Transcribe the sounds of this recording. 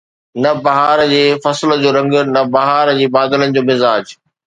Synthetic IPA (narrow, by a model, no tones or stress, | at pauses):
nɐbɐɦaːɾd͡ʑeːfɐsɪld͡ʑoːɾɐ̃ŋɡ̆nɐbɐɦaːɾd͡ʑeːbaːd̪ɪlənɪ̆d͡ʑoːmɪzaːd͡ʑ